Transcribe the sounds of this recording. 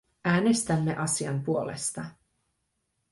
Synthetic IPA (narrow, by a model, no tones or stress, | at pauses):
ʔæːne̞st̪æmːe̞ʔɑsiɑ̰mpuo̞lḛst̪ɑ